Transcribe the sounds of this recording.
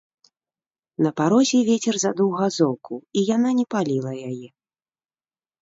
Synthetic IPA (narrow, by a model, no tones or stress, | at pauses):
nɐpaɾɔzʲɛvʲeɛt͡sʲɛrzad̪uwɣazɔwkʰuijananʲɛpalʲilˠɐjajɛ